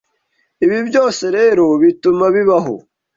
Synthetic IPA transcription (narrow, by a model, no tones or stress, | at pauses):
iβibjo̞ːse̞ɾe̞ːɾo̞βitumaβiβaɦo̰